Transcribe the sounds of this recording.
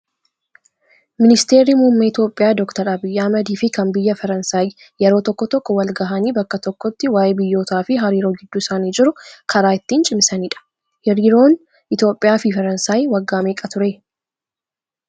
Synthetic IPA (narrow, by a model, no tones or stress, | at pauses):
mɪnɪst̪e̞ːɾimuːmːɐɪt̪jo̞ːpʼːɪjaːd̪ɔkt̪ɐɾɐbɪjːamɐd̪iːfɪkɐnbɪjːɐfɐɾɐnsaːj | jɛɾo̞ːt̪ɔkːɔt̪ɔkːɔwɐlɡɐɦɐniːbɐkːɐt̪ɔkːɔt̪ːɪwaːjeːbɪjːo̞ːt̪aːfɪɦɐɾiːɾo̞ːɡɪd̪ːʊɪsaːniːd͡ʒɪɾʊkʰɐɾaːɪt̪ːiːnt͡ʃʼɪmsɐniːᶑɐ̥ | jɛɾiːɾo̞ːn | ʔɪt̪jo̞ːpʼːɪjaːfɪfɐɾɐnsaːjwɐɡːaːmeːkʼɐt̪ʊɾe̞ː